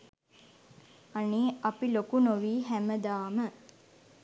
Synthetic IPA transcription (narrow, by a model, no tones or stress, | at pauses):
aniːapilokunoʋiːɦæməd̪aːmə